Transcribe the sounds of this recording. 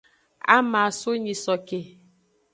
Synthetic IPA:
a̰˦ma˨so˦ɲi˨sɔ˨ke˨

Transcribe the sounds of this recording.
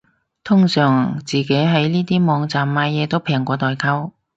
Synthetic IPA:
t̪ʰʊ˥ŋsœː˨˩ŋt͡siː˨ke˨˥jɦɐ˨˥jniː˥t̪iː˥mɔː˨˧˥ŋt͡saː˨˩mːaː˨˧jjɛː˨˧t̪o˥wpʰɛː˨˩ŋkʷɔː˨˧t̪ɔː˨jkʰɐ˥w

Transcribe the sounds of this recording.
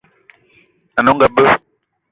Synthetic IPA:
a˨nɔ˦ŋ˦ɡa˨bə˦

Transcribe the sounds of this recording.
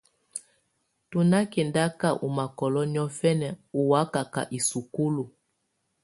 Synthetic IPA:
tu˨na˦kɛ˨nda˦ka˦˨ʔu˨ma˨kɔ˨lɔ˦ni˦ɔ˦fɛ˦nɛ˨u˨wa˦ka˨ka̰˨ʔi˨su˨ku˦lu˨

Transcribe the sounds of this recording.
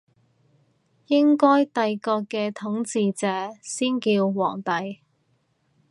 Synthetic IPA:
jɪ˥ŋkɔː˥jt̪ɐ˨˧jkɔː˧kːɛː˧t̪ʰʊ˨˥ŋt͡siː˧t͡sɛː˨˧siː˥nkiː˧wwɔ̰ː˨˩ŋt̪ɐ˨j

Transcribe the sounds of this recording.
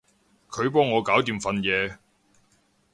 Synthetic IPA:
kʰɵ˨˧ɥpɔː˥ŋːɔː˨˧kaː˨˥wt̪iː˨˩mfɐ˨˧njɛː˨˧

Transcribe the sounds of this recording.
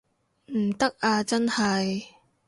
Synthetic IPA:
m̩˨˩t̪ɐ˥k̚aː˧t͡sɐ˥nhɐ˨j

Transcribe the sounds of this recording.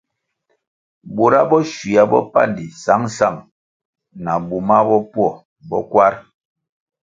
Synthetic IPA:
bu˨ɾa˦bɔ˦ʃwi˨a˦bɔ̰˦pa̰˦˨ndi˨sa˨˦ŋ˦sa˦˨ŋ | na˨bu˨ma˦bɔ˦pwɔ˦˨ | bɔ˦kwa˦ɾ

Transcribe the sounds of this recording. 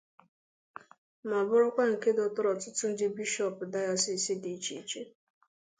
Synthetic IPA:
ma˨bʊ˦ɾʊ˦kʷa˦ŋ̩˨ke˦dɔ˨tʊ˦ɾɔ˨tʊ˦tʊ˦n̩˦dɪ˦bi˦ʃɔ˨pʊ˨da˦jɔ˦si˨si˦di˨t͡ʃi˨t͡ʃe˦

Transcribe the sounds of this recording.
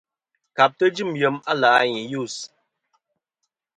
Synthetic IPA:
ka˨p̚tə˦d͡ʒɨ˦˨mjə˨˦ma˦laː˨˦ɲi˨ju˦˨s

